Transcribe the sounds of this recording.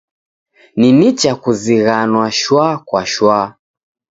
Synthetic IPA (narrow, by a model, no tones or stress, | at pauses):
ninit͡ʃakuziɣanwaʃwakwaʃwa